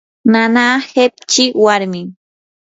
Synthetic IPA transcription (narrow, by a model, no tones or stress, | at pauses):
nanaːhep̚t͡ʃɪwaɾmɪ